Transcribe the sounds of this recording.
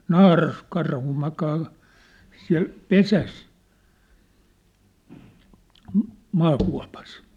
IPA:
nɑːrɑskɑrhu mɑkɑː siæ̝l pesæs m̩ mɑːkuɑ̝pɑs

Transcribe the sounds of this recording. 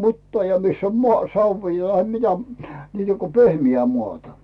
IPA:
mutːɑː jɑ misː om moɑˑ sɑʋːiː tɑhe mitæ niːtæ ko pehmiæ muɑˑtɑ

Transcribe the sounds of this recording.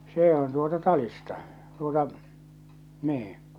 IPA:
seː on tuotɑ tɑlistɑ tuotɑ niːĩ

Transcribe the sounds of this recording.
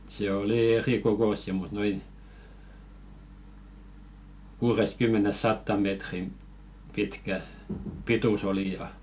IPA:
se oli erikokosːi mut noin kuːrest̆kymːenes sɑtːɑˑm̆ metrim pitkæ pitus oli jɑ

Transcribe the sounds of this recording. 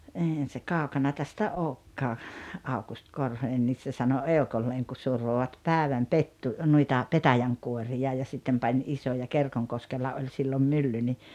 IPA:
eihæn̞ se kɑˑokɑnɑ tæstæ oːkːɑː ɑukust korhonen nis se sɑno eokolːeːŋ ku surʋoʋɑt pæːʋæm petːu nuitɑ petæjæŋkuorijɑ jɑ sitːem pɑnʲ ʔisojɑ kerkoŋkoskelːɑ olʲ silːom mylːy ni

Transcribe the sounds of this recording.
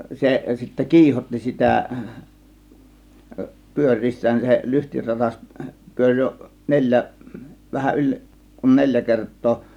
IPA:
se sitːæ kiːhotːi sitæ pyør̆ʲriːsːæːn se lyhtirɑtɑs pyørʲ jo nelʲjæ ʋæhæʔ ʔylʲ kun nelʲjæ kertˑoː

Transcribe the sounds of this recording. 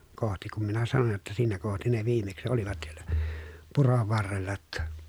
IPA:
kohti kum minæ sɑnoj jotːɑ siːnæ kohti ne ʋiːmeksĭ oliʋɑt siel̥æ̥ puroʋ ʋɑrːelːɑ tːɑ

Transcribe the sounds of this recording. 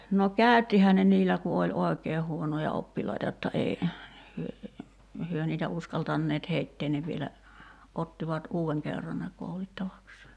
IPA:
no kæˑy̞tːihæː ne niːlːæ ku olʲ oˑekeːh huonojɑ opːilɑitɑ jotːɑ ei hyø hyø niːtæ uskɑltɑnːeːt heitːeːn ne ʋielæ otːiʋɑt uːeŋ kerːɑn ne koulitːɑʋɑkseː

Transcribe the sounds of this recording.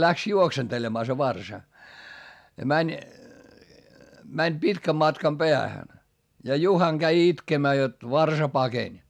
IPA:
læks juoksentelemɑː se ʋɑrsɑ jɑ mænʲ mænʲ pitkæm mɑtkɑm b̥eæhæn jɑ juhɑŋ ɡ̊æi itkemæː jot ʋɑrsɑ pɑkenʲ

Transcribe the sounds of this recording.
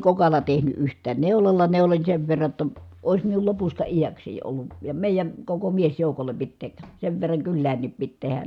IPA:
kokɑlːɑ tehny ʔyhtˑæːn neulɑlːɑ neulonʲ seʋ ʋerːɑ tːɑ ois miul lopustɑ ijækseˑi olːu jɑ meˑijæn̞ koko miesjoˑukolˑe pit tek seʋ ʋerːɑŋ kylːæːnːip pit tehæn

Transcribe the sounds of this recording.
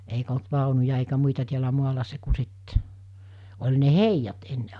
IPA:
eikæ̆ olt ʋɑˑonujɑ eikæ muitɑ tiælæ muɑlɑ se ku sit olʲ ne heijɑt enːe

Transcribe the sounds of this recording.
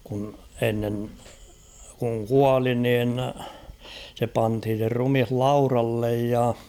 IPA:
kun enːen kuŋ kuɑli nin se pɑnthin̞ se rumih lɑurɑlːej jɑ

